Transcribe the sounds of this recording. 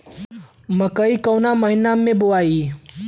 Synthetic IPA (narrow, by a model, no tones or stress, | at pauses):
mɐkəikɐːnamɐɦɪnamːẽbʊʋaːi